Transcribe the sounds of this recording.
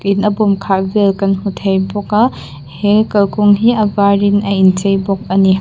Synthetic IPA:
kinɐbumkʰabelkɐnhutʰejbɔka | helkɐlkʰuŋɦiɐbaɾinɐjint͡ʃejbɔk̚ɐni

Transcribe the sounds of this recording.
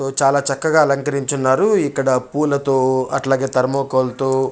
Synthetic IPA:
t̪oːt͡ʃaːlaːt͡ʃɐkːɐɡaːɐlɐŋkɐɾiɲt͡ʃunːaːɾuikːɐɽɐpuːlɐt̪o̞ːɐʈlaːɡe̞ːt̪ɐɾɐmoːkɐlt̪oː

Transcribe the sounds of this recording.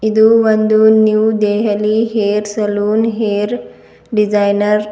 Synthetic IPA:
id̪uʋənd̪unjuːd̪eɦliɦeɾsəluːnɦeɾ | ɖid͡zajnəɾ

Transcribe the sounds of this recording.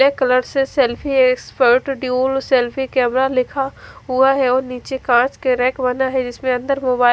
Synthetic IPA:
ekɐləɾsesɛːlpʰieːkspəɾʈɖjuːlsɛːlpʰikɛːmɾalɪkʰaɦuaɦɛɔːɾniːt͡ʃekãːt͡ʃkeɾɛːkbɐnaɦɛd͡ʒɪsmẽɐ̃nd̪əɾmoːbaːɪ

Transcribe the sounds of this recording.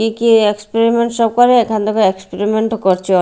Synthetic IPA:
ikiekspeɾimeɳʈʃɔb̚kɔɾeekʰant̪ɔkaekspeɾimeɳʈkoɾt͡ɕʰiɔ

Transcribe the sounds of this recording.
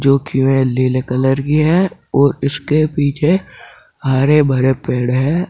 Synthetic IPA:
d͡ʒoːkiʋẽleːlekələɾkiɦɛːɔːɾɪskepiːt͡ʃʰe | haːɾebʱɐɾepeːɽɦɛː

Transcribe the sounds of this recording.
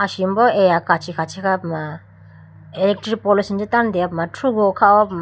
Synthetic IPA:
asimbɔejakat͡ʃʰikʰat͡ʃʰikʰapma | elek̚tɾipɔlisind͡ʒitandeapmatʰɾuɡɔkʰaɔpm

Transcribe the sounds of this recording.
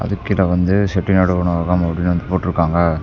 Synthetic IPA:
ɐ̰ðɯkːɪlɐʋɐnd̪ɯsɛʈːinɐɽɯʋɐɳɐaːɣaːmɐpɐɽɪnːʋɐnd̪ɯpoːʈːɪɾɯkːaːŋɡɐ

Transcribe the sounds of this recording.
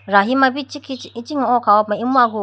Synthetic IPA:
ɾaɦimabit͡ʃikʰiit͡ʃiŋɔɔkʰawɔp̚maimuaɡu

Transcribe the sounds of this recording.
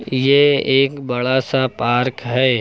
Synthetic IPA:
jeeːkbɐɭasapaːɾkɦɛː

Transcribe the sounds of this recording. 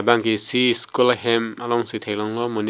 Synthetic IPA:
baŋɡisiskulɦemalɔŋsit̪ʰejlɔŋlɔmun

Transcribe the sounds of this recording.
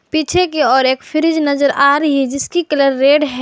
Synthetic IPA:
piːt͡ʃʰekeɔːɾeːkfʰɪɾɪd͡ʒnɐzəɾaːɾɐɦid͡ʒɪskikɐləɾːeːɖɦɛ

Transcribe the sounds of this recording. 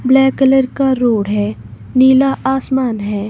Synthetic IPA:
blɛːkələɾkaɾoːɽɦɛː | niːlaʔaːsmaːnɦɛː

